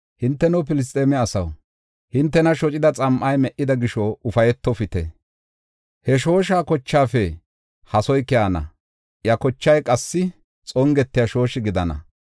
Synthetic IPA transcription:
hɪnt̪ːɛnʊpɪlɪs̬t̪ʼeːmɛɐsɐ̰w | hɪnt̪ːɛnɐʃɔt͡ʃʼɪd̪ɐt͡sʼɐmʔɐjmɛʔːɪd̪ɐɡɪʃɔʊfɐjɛt̪ːɔfɪt̪ɛ̰ | hɛʃo̞ːʃ̬aːkɔt͡ʃːaːfɛ | hɐsɔjkɪjaːnɐ̰ | jɐkɔt͡ʃːɐjkʼɐsːɪ | t͡sʼɔŋɡɛt̪ːɪjɐʃo̞ːʃɪɡɪd̪ɐnɐ̰

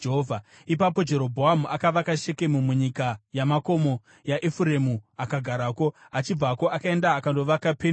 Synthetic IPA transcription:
eɦovʱa | ipapo̞d͡ʒe̞ɾo̞bʱoamuʔakaʋakaʃe̞ke̞mumuɲikajamako̞mo̞ | jaʔefuɾemuakaɡʱaɾako̞ | at͡ʃib͡vako̞ʔakae̞ndaːkando̞ʋakape

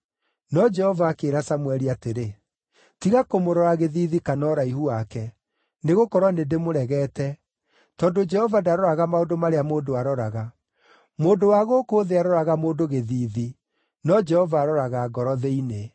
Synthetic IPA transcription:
nɔd͡ʒɛhɔvaːkeɾasamwɛɾiateɾe | tiɣakomoɾɔɾaɣeðiːðikanɔɾaihuakɛ | neɣokɔɾwanedemoɾɛɣɛːtɛ | tɔndod͡ʒɛhɔvadaɾɔɾaɣamaodomaɾeamoːdoaɾɔɾaɣa | moːndowaɣokoːðeaɾɔɾaɣamoːndoɣeðiːði | nɔd͡ʒɛhɔvaːɾɔɾaɣaːɡɔɾɔðeine

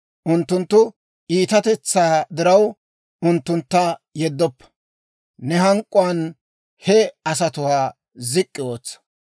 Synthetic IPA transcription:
ʔʊnt̪ːʊnt̪ːʊ | ʔiːt̪ɐt̪ɛt͡sːaːd̪ɪɾɐw | ʊnt̪ːʊnt̪ːɐjɛd̪ːɔpːɐ̥ | nɛhɐŋkʼːʊɐn | hɛɐs̬ɐt̪ʊwaː | zɪkʼːɪwoːt͡sːɐ̥

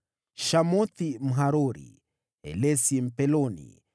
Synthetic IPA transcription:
ʃamɔt̪im̩ɦaɾɔɾḭ | ɛ̰lɛsim̩pɛlɔnḭ

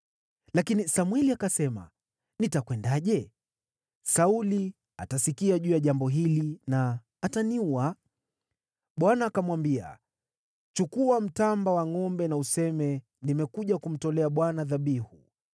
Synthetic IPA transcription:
lakinisamwɛliakasɛma̰ | nitakwɛndaʄɛ | sauli | a̰tasikiaʄuːjaʄambɔɦilinaː | taniua | ɓwanaːkamwambia̰ | t͡ʃukuam̩tambawaŋɔmbɛnausɛmɛ | nimɛkuʄakum̩tɔlɛaɓwanaðaɓihu

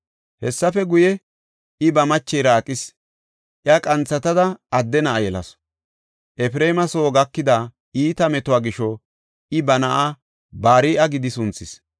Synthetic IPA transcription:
hɛsːɐfɛɡʊjɛ | ɪbɐmɐt͡ʃːɛjɾɐːkʼːɪs | ʔjakʼɐnt͡sːɐt̪ɐd̪ɐɐd̪ːɛnɐʔːjɛlɐ̰s | ʔɛfɾeːmɐsoːɡɐkːɪd̪a | iːt̪ɐmɛt̪ʊwaːɡɪʃɔ | ɪbɐnɐʔa | baːɾiːʔɐɡɪd̪ɪsʊnt͡sːɪs

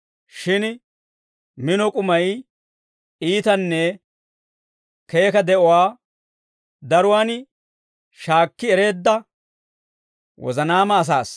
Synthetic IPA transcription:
ʃɪn | mɪnɔkʼʊmɐj | iːt̪ɐnːɛ | ke̞ːkɐd̪ɛʔɔwaː | d̪ɐɾʊwaːn | ʃaːkːɪɛɾe̞ːd̪ːɐ | wʔɔ̰zɐnaːmɐːs̬a̰ːs

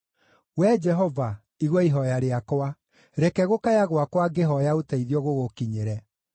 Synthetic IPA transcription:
wɛd͡ʒɛɦɔva | iɣwɔiɦɔjaɾeakwa | ɾɛkɛɣokajaɣwakwaɡeɦɔjaotɛiðiɔɣoɣokiɲeɾɛ

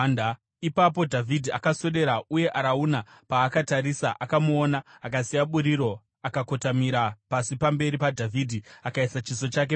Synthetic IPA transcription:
n | ipap̬o̞dʱavʱidʱia̰kaso̞ɗe̞ɾaʔuje̞ʔaɾaunapaːkataɾisaʔakamuonaːkasijaɓuɾiɾo̞ | akako̞tamiɾapasipambe̞ɾipadʱavʱidʱiakaisat͡ʃiso̞t͡ʃak̬e

